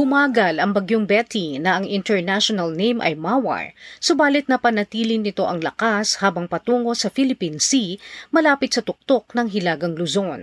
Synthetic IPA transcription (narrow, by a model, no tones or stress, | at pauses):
bʊmaːɡɐlɐŋbɐɡjoŋbɛt̪inɐʔɐŋɪnt̪ɛɹnaʃonɐlnejmʔɐ̰jmawɐ̰ɹsʊbaːlɪt̪̚nɐpɐnɐt̪iːlɪnːɪt̪o̞ʔɐŋlɐkashaːbɐŋpɐt̪uːŋo̞sɐfilɪpinsimɐlaːpɪt̪sɐt̪ʊk̚t̪o̞k̚nɐŋɦɪlaːɡɐŋlʊzon